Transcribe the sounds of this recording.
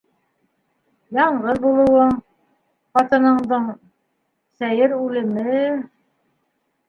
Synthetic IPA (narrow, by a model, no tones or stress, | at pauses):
jɑɴʁɤðbulˠɤ̆wɤɴ | qɑt̪ɤ̆nɤ̆ɴd̪ɤɴ | sæjɘɾʉlɘ̆mɘ